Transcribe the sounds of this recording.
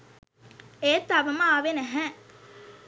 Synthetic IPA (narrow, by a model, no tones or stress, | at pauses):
eːt̪ːɐʋɐmaaːʋenɛɦɛ